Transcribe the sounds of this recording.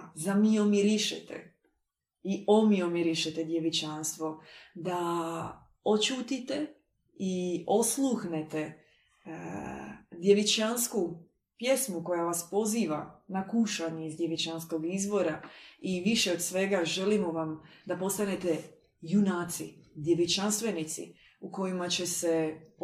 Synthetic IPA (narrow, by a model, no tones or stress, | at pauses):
zamio̞miɾiʃḛt̪ḛ | io̞mio̞mjeɾiʃet̪ed̪jeʋit͡ʃanst̪ʋo̞d̪a | o̞t͡ʃuːt̪it̪e | io̞slˠuxnet̪e | d̪je̞ʋit͡ʃansku | pje̞smuko̞jaʋaspo̞ziːʋanakuʃaɲeizd̪jeʋit͡ʃansko̞ɡizʋo̞ɾaiʋiʃeod̪sʋe̞ɡaʒe̞limoʋamd̪apo̞st̪ane̞t̪e | junaːt̪sid̪je̞ʋit͡ʃanst̪ʋe̞nit̪sḭ | uko̞jimat͡ɕe̞se